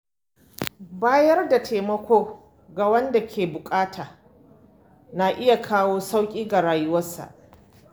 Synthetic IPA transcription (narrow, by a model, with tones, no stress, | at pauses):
baː˦jɐ˦rda˨tʰeː˨mɐ˦kʷoː˦ | ɡa˨wɐ˦nda˨kʲʰeː˨bʊ˨kʼaː˦tʰaː˨ | na˨ʔɪ˦ja˨kʰaː˦woː˦sa˦wkʲʼiː˦ɡa˨ɽaː˨jʊ˦wɐ˦sa̰˨ʔ